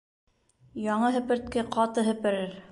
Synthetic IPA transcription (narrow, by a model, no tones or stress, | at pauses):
jɑɴɤɦɘ̆pɘ̆ɾt̪̚kɘqɑt̪ɤɦɘ̆pɘ̆ɾɘɾ